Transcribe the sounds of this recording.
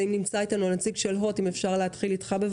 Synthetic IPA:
imnimt͡sait̪anuanat͡siɡʃelɦo̞time̞fʃaʁleɦatχilitχabev

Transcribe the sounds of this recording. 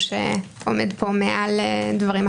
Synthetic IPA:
ʃḛo̰medpʰo̞meʔaledvaʁim

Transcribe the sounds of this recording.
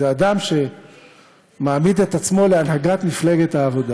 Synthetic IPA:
eadamʃe̞ | maːmid̪e̞t̪at͡smo̞le̞anɦaɡatmifle̞ɡe̞t̪haːvo̞da

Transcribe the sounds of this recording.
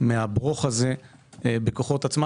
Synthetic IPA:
meabʁoχaze̞bekoχo̞t̪at͡sma

